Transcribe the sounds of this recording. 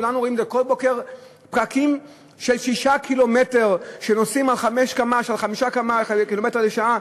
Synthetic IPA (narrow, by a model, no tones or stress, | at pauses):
ulanuʁoimezeko̞lbo̞ke̞ʁ | pʁakim | ʃe̞lʃiʃakʰilo̞me̞te̞ʁʃenosimalχame̞ʃkamaʃalχamiʃakamakilometeleʃaa